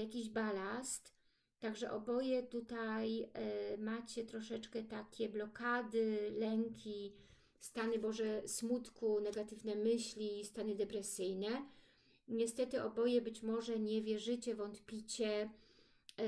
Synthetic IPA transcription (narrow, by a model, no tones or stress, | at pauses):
jakʲiʑbalast̪ː | aɡʐɛʔɔbɔjɛt̪ut̪ajmat͡ɕɛt̪ɾɔʂɛt͡ʂkɛt̪akʲɛblɔkad̪ɘlɛŋkʲi | st̪anɘbɔʐɛsmut̪kunɛɡat̪ɘvnɛmɘɕlʲist̪anɘd̪ɛpɾɛsɘjnɛ | ɲɛst̪ɛt̪ɘɔbɔjɛbɘt͡ɕmɔʐɛɲɛvʲjɛʐɘt͡ɕɛvɔnt̪pʲit͡ɕɛ